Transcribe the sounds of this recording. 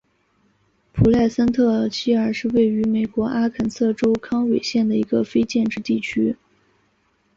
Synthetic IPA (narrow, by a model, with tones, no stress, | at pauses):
pʰu˨˩la˥˩ɪsa˥nt̪ʰɤ˥˩t͡ɕʰi˥ə˞˨˩ʂɻ̩˥˧we˥˩ɪy˧˥me˨˩ɪkwɔ˧˥ʔa˥kʰə˨˩nsɤ˥˩ʈ͡ʂo˥ʊkʰɑ˥ŋwe˨˩ɪɕjɛ˥˩nd̪ə˩i˧˥ɡə˧fe˥ɪt͡ɕjɛ˥˧nʈ͡ʂɻ̩˥˧t̪i˥˩t͡ɕʰy˥